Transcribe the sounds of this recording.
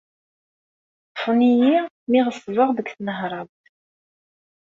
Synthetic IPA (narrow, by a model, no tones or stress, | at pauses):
fniji | miʁəsˤːvəʁðəɡʷθnəɦɾˤɑbt̪